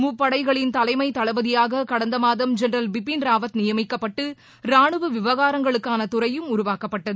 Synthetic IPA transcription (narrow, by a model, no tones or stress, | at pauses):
mupːɐɽɐɪɣɐɭɪnt̪ɐlɐɪmɐɪt̪ɐlɐʋɐðɪjaːɣɐkɐɽɐnd̪ɐmaːðɐmd͡ʒɛnɾɐlbɪpːinɾaːʋɐt̪nɪjɐmɪkːɐpːɐʈːɯ | ɾaːɳɯʋɯʋɪʋɐɣaːɾɐŋɡɐɭɯkːaːnɐt̪ʊɾɐjɯmʊɾʊʋaːkɐpːɐʈːɐðɯɯ